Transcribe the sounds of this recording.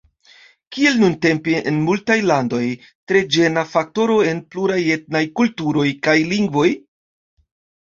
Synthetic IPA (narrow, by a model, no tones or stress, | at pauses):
kie̞lnunte̞mpiʔḛnmultajlando̞j | tɾe̞d͡ʒe̞nafak̚to̞ɾo̞e̞npluɾaje̞t̚najkultuɾo̞jkajliŋɡvo̞j